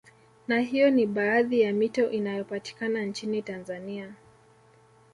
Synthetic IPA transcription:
naɦijɔniɓaːðijamitɔʔinajɔpati̥kanant͡ʃinitanzania

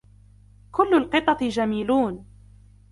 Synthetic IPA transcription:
kʊlːʊlqɨt̪ˤɑt̪d͡ʒamiːluːn

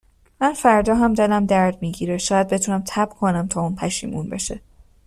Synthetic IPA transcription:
mænfæɾd̪ɒːɦæmd̪e̞læmd̪æɾd̪miːɟiːɾeʃɒːjæd̪be̞t̪ʰuːnæmt̪ʰæbkʰo̞næmt̪ʰɒːuːnpʰæʃḭːmunbe̞̰ʃe

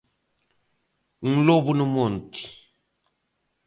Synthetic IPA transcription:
ŋ̩lobunimonti̥

